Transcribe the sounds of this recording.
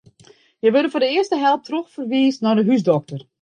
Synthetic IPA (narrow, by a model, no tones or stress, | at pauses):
jəʋødəfoːdəɪəstəɦɛlˠp̚troxfərʋiːsnɔdəɦysdɔk̚tər